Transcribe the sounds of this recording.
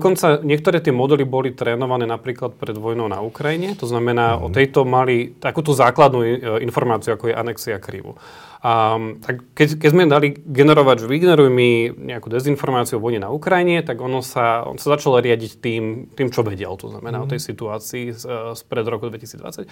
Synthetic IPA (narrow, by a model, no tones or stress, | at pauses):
d̪ɔkɔnt͡saɲɪɛk̚t̪ɔɾɛːt̪ɪɛmɔd̪ɛlibɔlit̪ɾɛːnɔʋanɛːnapɾiːklat̪̚pɾɛd̪ʋɔjnɔʊna̰ukɾajiɲɛt̪ɔznamɛnaːɔ̰t̪ɛjt̪ɔmalit̪akuːt̪uzaːklad̪nuinfɔɾmaːt͡siuakɔjɛʔa̰nɛksiakɾḭʋṵ | t̪akkɛkɛɟzmɛd̪aliɡɛnɛɾɔʋaɟʒɛʋiɡnɛɾujmiɲɛakuːd̪ɛzinfɔɾmaːt͡siuɔʋɔjɲɛna̰ukɾajiɲɛt̪aɡɔnɔsaɔ̰nsazat͡ʃalɔɾɪaɟict̪iːmt̪iːmt͡ʃɔʋɛɟɛ̰lt̪ɔ̰zna̰mɛnaːɔt̪ɛjsit̪uaːt͡siːspɾɛd̪ɾɔkud̪ʋɛcisiːd͡zd̪ʋa̰t͡sac